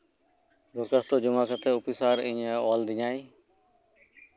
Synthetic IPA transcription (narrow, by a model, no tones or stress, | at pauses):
ɡʊɾkəst̪oːd͡ʒəmaːkət̪eːʊpisaːɾɪ̃ɲeːɔːld̪ɪɲaːiː